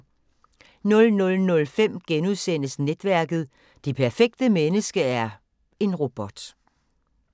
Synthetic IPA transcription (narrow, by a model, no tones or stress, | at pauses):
nɔ̽lnɔ̽lnɔ̽lfem̰ɡ̥enuðˠsen̰əsned̥ʋæɐɡ̥ð̞̩ˠ | d̥epʰæɐfeɡ̥d̥əmenəsɡ̥əæɐ | e̝nʁo̝b̥ɒ̽d̥